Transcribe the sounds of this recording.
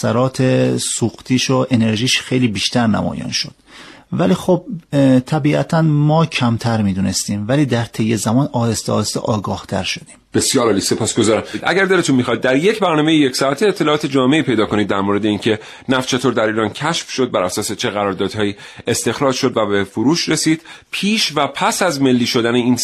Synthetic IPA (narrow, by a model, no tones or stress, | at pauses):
sæɾɒːt̪ʰesuːxt̪ʰiːʃoʔene̞ɾʒiːʃxe̞jliːbiːʃt̪æɾnæ̰mɒ̰ːjɒ̰nʃo̞d̪̥væliːxob̚t̪ʰæbiːʔæ̰t̪ʰænmɒːcʰæmt̪ʰæɾmiːd̪uːnest̪iːmvæliːd̪æɾt̪ʰejːezæmɒːnɒːd̪est̪eɒ̰ːest̪ḛʔɒːɡɒːht̪ʰæ̰ɾʃo̞d̪iːmb̥e̞sijɒːɾɒːliːse̞pʰɒːsɡozɒːɾæmd̪ʔæ̰ɟæɾd̪eet̪unmixɒːid̪̚ːæɾje̞cʰbæɾnɒːme̞jejecsɒæt̪ʰeːt̪ʰːelɒːɒːt̪ʰed͡ʒɒːme̞iːpʰe̞jd̪ɒːkʰo̞niːd̪ːæɾmoːɾed̪e̞iːŋcʰe̞ | næft͡ʃʰe̞t̪ʰoːɾd̪æɾiːɾɒːncʰæʃfʃo̞d̪̚bæɾæsɒːset͡ʃʰe̞ɣæɾɒːɾd̪ɒːd̪̥hɒːji | est̪e̞xɾɒːd͡ʒʃo̞d̪væbefoɾuːʃɾe̞siːd̪̥pʰiːʃvæpʰæsæzme̞lːiːʃo̞d̪æneiːn